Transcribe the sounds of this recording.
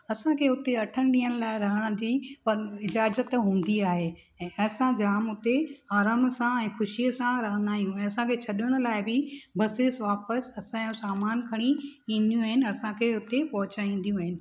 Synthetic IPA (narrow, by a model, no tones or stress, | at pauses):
ɐsãkʰeʊt̪eɐʈʰəɽ̃ɗĩːəɽ̃̆laːɪɾɐɦəɽ̃ʊ̆d͡ʑiːpɐɾɪd͡ʑaːzət̪ɦũːn̆d̪iaːɦe | ɛ̃ːʔɐsãd͡ʑaːmʊt̪eaːɾaːmsãɛ̃ːxʊʃiəsãɾɐɦə̃nd̪aːijũɛ̃ːɐsãkʰet͡ɕʰɐɗəɽ̃ʊ̆laːɪbɪbɐsesʋaːpəsɐsãjũsaːmaːnkʰɐɽ̃iĩːn̆d̪ijũaːɦɪnɪ̆ɐsãkʰeʊt̪epɐɦʊt͡ɕaːĩːn̆d̪ijũaːɦɪnɪ̆